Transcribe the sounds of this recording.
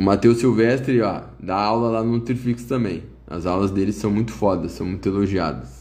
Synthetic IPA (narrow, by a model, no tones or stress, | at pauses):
ʊmat̪ewsiwvɛst̪ɾɪɔ̰ | d̪aawlɐlanʊlut̪ɾfikst̪ɐ̃mbẽj̃ | ɐ̰zawlɐzd̪elɪsɐ̃w̃mũj̃t̪ʊ̥fɔd̪ɐssːɐ̃w̃mũj̃t̪eloʒia̰d̪ɐs